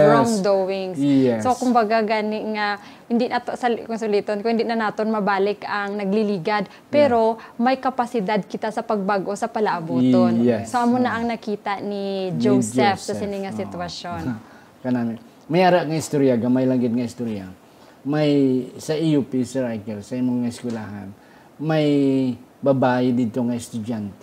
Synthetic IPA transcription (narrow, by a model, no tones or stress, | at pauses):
ɾoŋd̪owɪŋsɛso̞kʊmbɐɡaɡaːnɪŋa | hɪnd̪inat̪osɐlkʊŋsʊlit̪onkʊhɪnd̪inɐnaːt̪onmɐbaːlɪkɐŋnɐɡ̚lɪliːɡad̪̚ | pɛːɾo̞mɐjkɐpɐsɪd̪ad̪̚kɪt̪asɐpɐɡ̚baɡʔo̞sɐpɐlɐʔɐbuːt̪onjɛsoʔɐmonɐʔɐŋnɐkiːt̪aʔnid͡ʒowsd͡ʒɛfsɐsɪnɪŋɐsɪt̪wɐsjon | kɐnaːmɪ | mɐjaːɾaʔŋɐɪst̪uɾjaɡɐmajlɐŋɡɪt̪̚ŋɐɪst̪uɾija̰ | majsɐʔiupisɛɹajkɛlsɐɪmoŋŋɐɪskʊlaha̰n | mɐj | bɐbaːjɪd̪iːd̪̚t̪oŋɐɛst̪ʊd͡ʒant̪ɛ